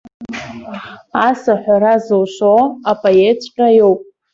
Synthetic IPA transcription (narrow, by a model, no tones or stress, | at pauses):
asaħʷᶣaɾazowʃʷoapʼoet͡sʷʼʈ͡ʂʼajowpʼ